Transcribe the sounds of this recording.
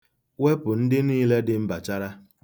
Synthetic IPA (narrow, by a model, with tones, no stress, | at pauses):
we˦pʊ˨n̩˦dɪ˦niː˦le˦dɪ˦m̩˦ba˨t͡ʃa˦ɾa˦